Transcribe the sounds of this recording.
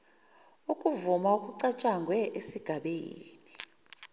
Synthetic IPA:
ukʼuvumaukʼuǀat͡ʃʼaŋɡʱwɛʔesiɡ̥ʱaɓeːni

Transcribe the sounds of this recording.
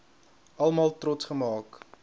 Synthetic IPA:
ɐlˠmɑːlˠtrɔtsχəmɑːk

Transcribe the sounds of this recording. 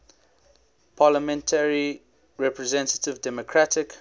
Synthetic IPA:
pʰaləmɛ̃ntʰəɹi | ɹɛpɹɛzɛ̃ntə̥tɪvdɛmokʰɹatʰɪk

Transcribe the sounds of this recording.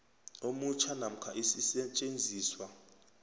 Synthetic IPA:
omut͡ʃʰanam̩kʰaʔisisɛt͡ʃʼend͡zʱiːswa

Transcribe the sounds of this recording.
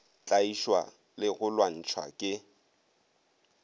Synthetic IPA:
t͡ɬʼaiʃwa̰ | lɪɣʊlwan̩t͡ʃʰwa̰kʼɪ

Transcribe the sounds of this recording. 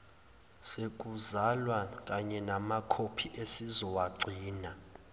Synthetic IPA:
sek̬ʼuzalwak̬ʼaɲɛnamakʰopʰiʔesizɔwaɡ͡ǀʱiːna

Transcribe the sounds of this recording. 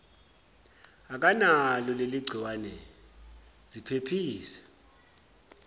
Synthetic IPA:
ak̬ʼanalɔleliɡ͡ǀʱiwanɛ | zipʰepʰiːsɛ̥

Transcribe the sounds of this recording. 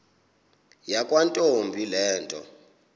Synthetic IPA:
jakʼwantʼombʱilɛːntʼɔ̰

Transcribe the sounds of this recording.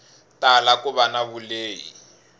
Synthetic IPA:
talakʼʊβanabʊleːjḭ

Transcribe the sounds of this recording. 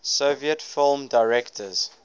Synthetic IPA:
soviətfɪlˠmdaɪɹɛktʰəz̥

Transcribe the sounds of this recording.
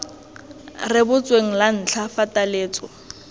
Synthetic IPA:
rɪbʊt͡sʼweŋ̩lan̩t͡ɬʰafatʼaleːt͡sʼɔ

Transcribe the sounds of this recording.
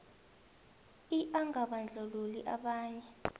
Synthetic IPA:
iʔaŋaɓand͡ɮʱoluliʔaɓaːɲɛ

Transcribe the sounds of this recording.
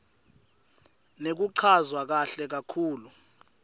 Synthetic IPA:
nek̬uǃʰazwak̬aɬɛk̬akʰuːlu

